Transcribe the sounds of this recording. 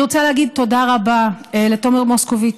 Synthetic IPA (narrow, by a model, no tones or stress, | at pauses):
ʁot͡saleaɡid̪̚t̪o̞daʁabaelet̪o̞meʁmoskovi